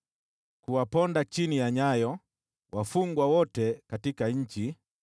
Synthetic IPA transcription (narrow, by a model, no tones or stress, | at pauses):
kuwapɔndat͡ʃinijaɲajɔ | wafuŋɡwawɔtɛkatikaɲ̩t͡ʃi